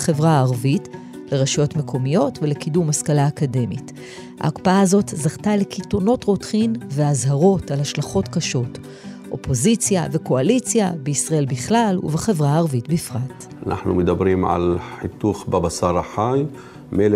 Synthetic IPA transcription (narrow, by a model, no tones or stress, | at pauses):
χevʁaːʁvit | le̞ʁaʃajo̞tme̞kʰo̞mijo̞tve̞le̞kidumhaskalaːkade̞mit | ha̰ːkpaazo̞tzaʁtale̞kitono̞tʁo̞tχimveazhaʁo̞talhaʃlaχo̞tkaʃo̞t | ʔo̞̰po̞zit͡sjaveko̞alit͡sjabeisʁae̞lbiχlalṵveχe̞vʁaːʁvitbifʁat | anʔa̰ħnumed̪abɾimʕa̰lħit̪uxbabasaɾˤaħaj | mel